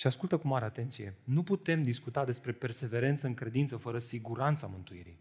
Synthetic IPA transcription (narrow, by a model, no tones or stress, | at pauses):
ʃiaskult̪əkumaɾeat̪e̞nt̪sije̞nuput̪e̞md̪iskut̪ad̪e̞spɾe̞pe̞rse̞ve̞ɾe̞nt̪səɨŋkɾe̞d̪int̪səfəɾəsiɡuɾant̪samɨnt̪uiɾḭj